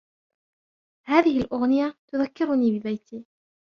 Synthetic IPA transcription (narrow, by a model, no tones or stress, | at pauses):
haːðɪhɪlʔʊɣnɪjat̪ʊðakːɪɾʊniːbɪbajt̪ʰiː